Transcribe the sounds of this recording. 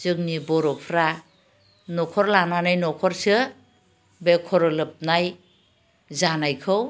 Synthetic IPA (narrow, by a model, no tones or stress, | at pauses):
zɯŋnibɔɾɔpʰɾa | nɔkʰɔɾlananajnɔkʰɔɾsɯ | bekʰɔɾɔlɯp̚naj | zanajkʰɯw